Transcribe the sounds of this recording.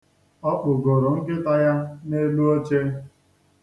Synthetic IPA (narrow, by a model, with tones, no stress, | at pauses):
ɔ˦k͡pʊ˨ɡo˨ɾo˨ŋ̩˦ɡɪ˦ta˦ja˦ne˦lu˦o˦t͡ʃe˦